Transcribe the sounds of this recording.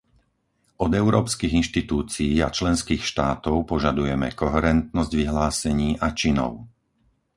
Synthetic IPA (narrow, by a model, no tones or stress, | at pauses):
ɔd̪ɛʊɾɔːpskiɣinʃt̪it̪uːt͡siːa̰t͡ʃlɛnskiːxʃt̪aːt̪ɔʊpɔʒad̪ujɛmɛ̰kɔɦɛɾɛnt̪nɔzɟʋiɦlaːsɛɲiːʔat͡ʃinɔ̰ʊ